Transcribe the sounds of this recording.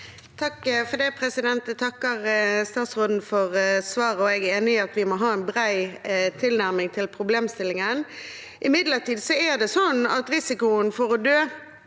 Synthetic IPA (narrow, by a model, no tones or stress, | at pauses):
t̪ʰɑkfɔd̪ɛpʰɾɛsɪd̪ɛnt̪ɛt̪ʰɑkːəʁst̪ɑːt̪sʁoːd̪n̩fɔʁsʋɑːʁəɔɛɡæeːnɪɑt̪ʋɪmɔɦɑːɛnbʁæɪt̪ʰɪlnæʁmɪŋt̪ʰɪlpʰɾʊbleːmst̪ɪlɪŋən | ʔɪmɪd̪ləʁt̪iːd̪sɔæʁd̪ɛsɔnɑ̰t̪ɾɪsɪkʊənfɔɾɔd̪øː